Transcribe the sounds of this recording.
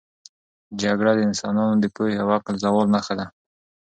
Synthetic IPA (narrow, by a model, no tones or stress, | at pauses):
d͡ʒaɡɽad̪əɪnsɑnɑnod̪əpoeawaqɪlzawɑlnaxad̪a